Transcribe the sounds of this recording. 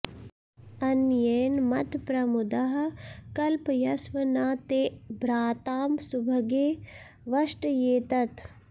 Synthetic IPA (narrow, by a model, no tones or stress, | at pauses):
ɐnjeːnmɐt̪pɾɐmʊd̪ɐɦkɐlpjɐsʋɐnaːt̪eːbɾaːt̪aːmsubʱɐɡeː | ʋɐʂʈjeːt̪ɐt̪